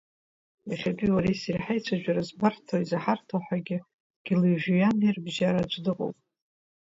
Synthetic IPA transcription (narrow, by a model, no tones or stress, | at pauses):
jaχʲatʼiwaɾejsiriħajt͡ʃʷʰaʒʷᶣaɾazbartʰoizaħartʰoħʷᶣaɡʲɪ | ɡ̥ʲilijʒᶣujanirbʒaɾad͡ʒʷʼdɨqʼo̰wpʼ